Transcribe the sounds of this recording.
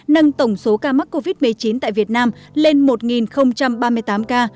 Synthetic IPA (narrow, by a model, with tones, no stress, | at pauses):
nə˧ŋt̪ə˧˩wŋ͡mso˨˦kaː˧ma˦˥t̚ko˧vi˦˥t̚mɨ˨˩əjt͡ɕi˨˦nt̪a̰ː˧˨jvi˨˩ət̚naː˧mle˧nmo˨˩t̚ŋi˨˩nxə˧wŋ͡mt͡ɕa˧mɓaː˧mɨ˧əjt̪aː˨˦mkaː˧